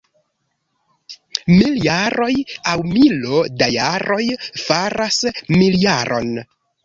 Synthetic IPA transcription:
miljaɾo̞jawmilodajaɾo̞jfaɾasmiljaɾʔo̞̰n

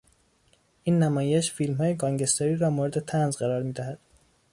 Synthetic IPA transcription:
ʔiːnːæmɒːjeʃfiːlmɦhɒːjeɡɒːŋɟest̪ɑɾiːɾɒːmoːɾe̞d̪e̞t̪ʰænzɢæɾɒːɾmiːd̪æhæd̪̥

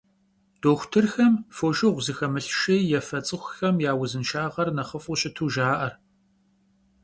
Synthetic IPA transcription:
d̥oːxʷʊtʰɨrxɐmfoːʃɪʁʷzɨxɐmɨɬʃejjɛfɐt͡sʼɨxʷxɐmjaːwʊzɨnʃaːʁɐrnɐχɐfʼʊɕʼɪtʰuːʒaːʔɐr

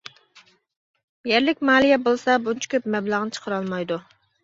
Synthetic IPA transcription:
jɛɾlɪkʲmɑːlˠijɛbolˠsɑbunt͡ʃʰə̥kʲøpmɛblˠəʁnɨt͡ʃʰə̥qʰəɾɑlˠmɑjd̪u

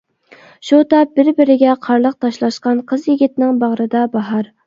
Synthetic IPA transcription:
ʃut̪ɑbɪɾbɪɾɪɡʲɛqʰɑɾlˠəq̚t̪ʰɑʃlˠɑʃqɑnqʰəzjɪɡʲɪt̪nɪŋbɑʁɾɨd̪ɑbɑɦɑɾ

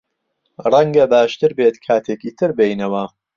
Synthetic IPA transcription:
rɐŋɡɐbaːʃt̪ɨɾbeːt̪kʰaːt̪ʰeːkiːt̪ʰɨɾbejnɐwɐ

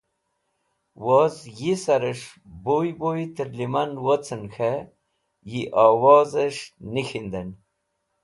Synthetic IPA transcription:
wozjisaɾəʂbojboit̪əɾlimanwot͡sənxe | jiʔawaːzəʂnixind̪en

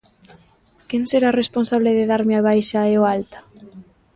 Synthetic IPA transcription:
kenseɾaresponsaβ̞leðeðaɾmeaβ̞ajʃaeoalt̪ḁ

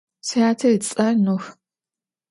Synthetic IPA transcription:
sjaːtʰɐit͡sʼɐnux

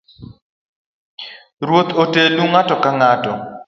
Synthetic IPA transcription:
ɾwot̪otenuŋatɔkaŋatɔ

